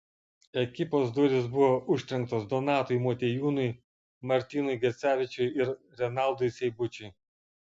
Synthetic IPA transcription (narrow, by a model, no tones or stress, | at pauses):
ɛkʲɪpoːsd̪ʊɾʲɪsbʊʋoːʔʊʃʲt̪ʲɾʲɛŋk̚t̪oːsd̪ɔnɑːt̪ɔɪmoːt̪ʲeːjuːnʊɪ | mɐɾʲt̪ʲiːnʊɪɡʲɛt̪sʲæːʋʲɪt͡ʃʲʊɪɪɾ | ɾʲɛnɑˑlˠd̪ɔɪsʲɛɪbʊt͡ʃʲʊɪ